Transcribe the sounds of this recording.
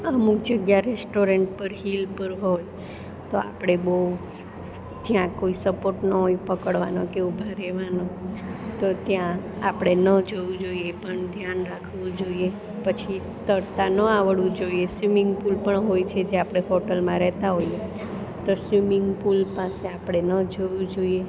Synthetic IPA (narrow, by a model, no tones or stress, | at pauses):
əmuk̚d͡ʒəɡjaɾesʈoɾeɳʈ̚pəɾɦilpəɾɦoj | t̪oa̰pɽ̃ebəu | t̪jãkoisəpoɾʈnoipəkəɽʋanokeubʱaɾɛʋanot̪ot̪jã | a̰pɽ̃enəd͡ʒoʋũd͡ʒoiepəɳd̪ʱjanɾakʰʋũd͡ʒoie | pət͡ʃʰist̪əɾt̪anəaʋəɭʋũd͡ʒoiesʋimɪŋɡ̚pulpəɳɦojt͡ʃʰed͡ʒeapɽ̃eɦoʈəlmãɾɛɦt̪aɦoje | t̪osʋimɪŋɡpulpaseapɽ̃enəd͡ʒoʋũd͡ʒoie